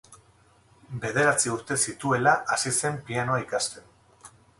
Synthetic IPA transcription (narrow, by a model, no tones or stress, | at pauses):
be̞ð̞e̞ɾat͡siuɾt̪e̞sit̪ue̞laʔasise̞mpiano̞aikast̪e̞n